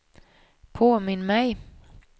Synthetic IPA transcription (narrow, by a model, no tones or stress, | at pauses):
pʰoːmɪnːmɛj